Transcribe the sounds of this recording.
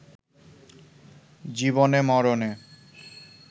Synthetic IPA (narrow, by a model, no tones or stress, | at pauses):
d͡ʑibonemɔɾone